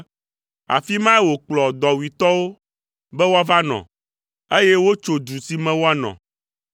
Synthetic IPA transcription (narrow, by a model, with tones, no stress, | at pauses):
a̰˨fi˦mã˦ɛ˦wo˨k͡plɔ˨d̪ɔ˨wi˨t̪ɔ˦wo˦ | bɛ˦wo˦a˦va˦nɔ̰̃˨ | e˦jɛ˦wo˦t͡ʃo˨d̪u˨si˦mɛ̃˦wo˦a˦nɔ̰̃˨